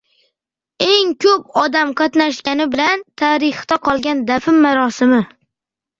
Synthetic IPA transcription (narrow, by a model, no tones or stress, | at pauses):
e̞ŋkʲʰɵp̚ɒd̪amqʰɑt̪naʃkʲanɪbɪlant̪ʰaɾɪχd̪aqʰɒlˠɡʲand̪afɪmːaɾɒsɪmɪ